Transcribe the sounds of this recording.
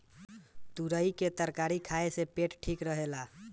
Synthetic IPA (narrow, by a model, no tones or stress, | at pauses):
t̪uɾəiket̪əɾkaɾikʰaesepeʈʈʰikɾəɦela